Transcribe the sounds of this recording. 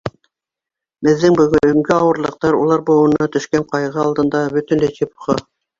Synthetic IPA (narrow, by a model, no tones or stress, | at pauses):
bɘ̆ðːɘŋbɵ̆ɡɵɵ̆ŋɡɘɑwɤ̆ɾlˠɤ̆q̚t̪ɑɾulˠɑɾbŏwɤ̆nɑt̪ɵ̆ʃkæɴqɑjʁɤɑlˠd̪ɤ̆nd̪ɑbɵt̪ɘ̆nlæjt̪ipχɤ